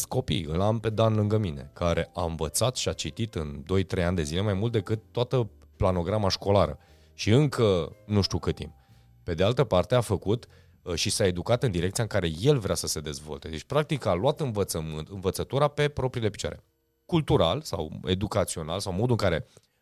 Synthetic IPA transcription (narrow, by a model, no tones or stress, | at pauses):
ko̞pḭjɨ̰lampe̞d̪anlɨŋɡəmine̞̰kaɾʔe̞̰ʔaɨɱvət̪sat̪ʃiat͡ʃit̪it̪ɨnd̪o̞jt̪ɾe̞janʲd̪e̞zile̞majmult̪̚d̪ekɨt̪ːoat̪ə | plano̞ɡɾamaʃko̞laɾə̰ | ʃiɨŋkʰənuʃt̪ukɨt̪ḭm | pe̞d̪e̞alt̪əpart̪e̞afəkut̪ | ʃisae̞d̪ukat̪ɨnd̪iɾe̞k̚t̪sijaɨŋkaɾe̞je̞lvɾeasəse̞d̪e̞zvo̞̰lt̪e̞d̪et͡ʃʲpɾak̚t̪ikalwat̪ɨnvət̪səmɨnt̪ɨnvət̪sət̪uɾape̞pɾo̞pɾile̞pi̥t͡ʃoa̰ɾe | kult̪uɾa̰lsa̰we̞̰d̪ukat̪sio̞na̰lsawmo̞d̪uɨŋkaɾe̞